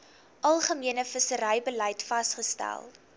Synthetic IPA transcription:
ʔɐlˠχəmiənəfəsəɾəjbəlɐjtfɐsχəstæ̰lˠ

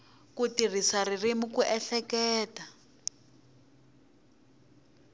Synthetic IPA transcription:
kutirisaririmukuʔɛɬɛkɛːta

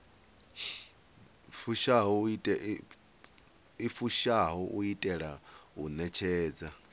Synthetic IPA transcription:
fuʃaɦɔitʼɛ | ifuʃaɦɔʔuitʼɛɺaɦunɛt͡ʃʰɛːd͡za

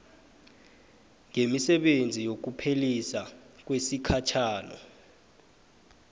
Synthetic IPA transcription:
ŋemisɛɓend͡zʱijok̬upʰelisak̬wesikʰat͡ʃʰaːnɔ̰

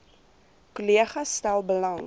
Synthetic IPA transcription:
koliəχɐsːtælˠbəlɐŋ

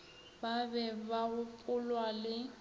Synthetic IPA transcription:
babɛbaɣʊpʼʊlwalɪ

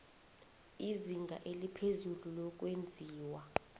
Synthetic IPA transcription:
iziŋɡʱa̰ʔelipʰezululɔk̬ʼwend͡zʱiːwa

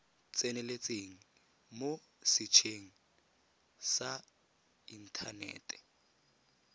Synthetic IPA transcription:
t͡sʼɛnɛlet͡sʼeŋ̩ | mo | sɪt͡ʃʰeŋ̩ | sa | in̩tʰanɛ̰ːtʼɛ̥

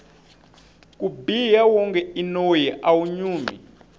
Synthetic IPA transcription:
kubijawɔŋkɛinojɛʔawuɲuːmḭ

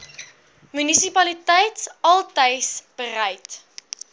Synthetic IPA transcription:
mynisipɐlitɛjtsɐlˠtəjsb̥ərɛjt

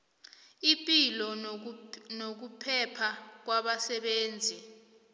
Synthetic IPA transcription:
ipʼilɔ | nok̬upʰɛpʰak̬waɓasɛɓeːnd͡zʱi

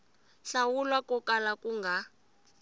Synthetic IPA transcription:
ɬawulwakʼɔkʼalakʼuŋɡʱa

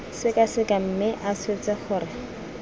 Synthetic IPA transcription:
sɪkasɪkam̩mɪʔaset͡sɪχʊːrɪ

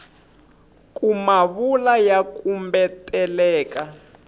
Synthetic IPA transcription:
kʼumaβulajakumbɛtɛlɛːka

